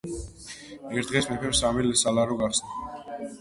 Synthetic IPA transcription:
ɛɾt̪d̪ʁɛsmɛpʰɛmsamilɛsalaɾɔɡaχsna

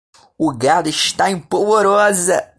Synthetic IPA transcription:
ʊɡad̪ʊɪʃt̪aẽpovoɾɔzɐ

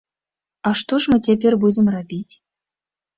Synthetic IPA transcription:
ɑʂt̪oʐmɨtʲepʲerʲbudʲɪmrabʲitʲ

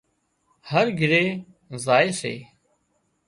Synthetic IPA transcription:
həɾɡʱɪɾeː | zaːeːsḛː

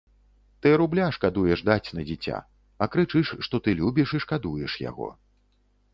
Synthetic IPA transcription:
t̪ɨɾublʲaʂkad̪ujɛʂd̪at͡sʲnɐd͡zʲit͡sʲa̰ | ɐkɾɨt͡ʂɨʂʂt̪ɔt̪ɨlʲubʲiʂiʂkad̪ujɛʂja̰ɣɔ̰

